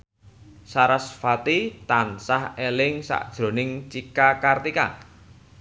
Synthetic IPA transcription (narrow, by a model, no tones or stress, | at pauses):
saɾasfat̪it̪ansahelɪŋsa̰ʔd̥ʒ̥ɾo̤nɪŋt͡ʃikakart̪ika̰